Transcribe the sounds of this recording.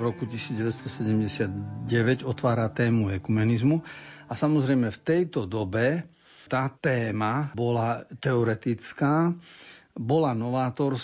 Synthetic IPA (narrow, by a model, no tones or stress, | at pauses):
ɾɔkucisiːd͡zdɟɛʋɛt̪st̪ɔsɛɟɛmɟɛsɪad̪ɟɛʋɛɟɔt̪ʋaːɾat̪ɛːmuɛkumɛnizmuasamɔzɾɛjmɛft̪ɛjt̪ɔd̪ɔbɛ | t̪at̪ɛːmabɔlat̪ɛɔɾɛt̪it͡skaː | bɔlanɔʋaːt̪ɔɾ